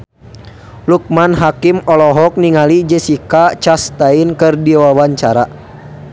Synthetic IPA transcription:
luk̚manɦakimɔlɔɦɔk̚niŋalid͡ʒɛsikat͡ʃast̪ainkɨrdiwawaɲt͡ʃaɾa

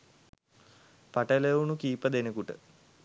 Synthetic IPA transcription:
paʈəleunukiːpəd̪enekuʈə

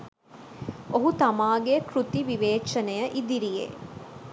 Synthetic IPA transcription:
oɦut̪ɐmaːɡekɾut̪iʋiʋeːʃɐnejəʔid̪iɾijḛː

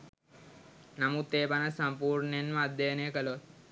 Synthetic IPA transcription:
namut̪ːeːpanasampuːɾɳəenmad̪ːejənəjəkəloʋ̪

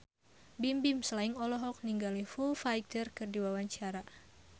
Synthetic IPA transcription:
bimbimsəlaiŋɔlɔɦɔk̚niŋɡalifulfajt̪ərkɨrdiwawaɲt͡ʃaɾa

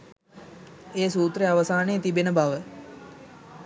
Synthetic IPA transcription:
eːsuːt̪reaʋəsaːneət̪ibenəbaʋə

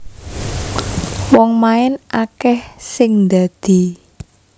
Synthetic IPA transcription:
wɔŋmaɪnʔakɛhsɪŋnd̪ad̪̥i̤

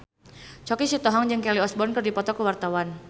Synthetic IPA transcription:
t͡ʃɔkisit̪ɔɦɔŋd͡ʒəŋkɛliɔsbɔnkɨrdipɔt̪ɔkəwart̪awan

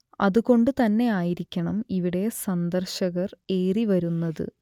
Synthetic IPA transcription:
ɐ̰ðuɣo̞ɳɖɨt̪ɐnːe̞aːjiɾikʲːɐɳɐmiʋiɽe̞sɐnd̪ɐrɕɐɣɐre̞ːriʋɐɾunːɐðɨ̰

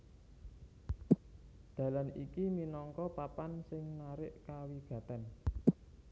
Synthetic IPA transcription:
d̪̥ä̤lanikiminɔŋkɔpapansɪŋnaɾɪʔkawiɡ̥a̤t̪an

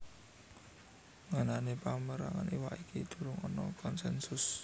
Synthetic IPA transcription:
ŋananepaməɾaŋaniwaʔikid̪̥ṳɾʊŋɔnɔkɔnsɛnsʊs

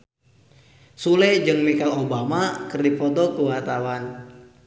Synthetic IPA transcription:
sulɛd͡ʒɨŋmikalobamakɨrdipɔdɔkuwat̪awan

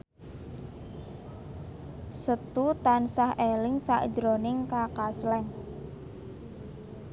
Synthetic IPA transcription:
sət̪ut̪ansahʔelɪŋsa̰ʔd̥d͡ʒɾonɪŋkakaslɛŋ

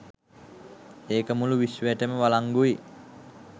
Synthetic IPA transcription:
eːkəmuluʋisʋəəʈəməʋalaŋɡui

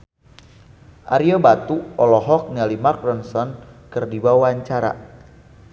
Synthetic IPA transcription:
ʔa̰ɾiobat̪uɔlɔɦɔk̚nɛlimark̚dɔnsɔnkɨrdibawaɲt͡ʃaɾa̰

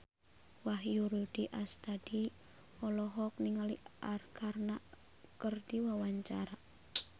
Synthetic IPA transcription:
waɦjuɾud̥iʔast̪ad̥i | ɔlɔɦɔk̚niŋaliarkʰarna | kərdiwawaɲt͡ʃaɾa

